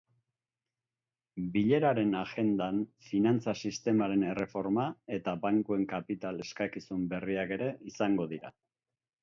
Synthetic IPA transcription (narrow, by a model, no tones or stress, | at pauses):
biʎe̞ɾaɾe̞naɣe̞nd̪anfinant͡sasist̪e̞maɾe̞ne̞re̞fo̞ɾmae̞t̪abaŋkue̞ŋkapit̪ale̞skakisumbe̞riake̞ɾe̞isaŋɡo̞ðiɾa̰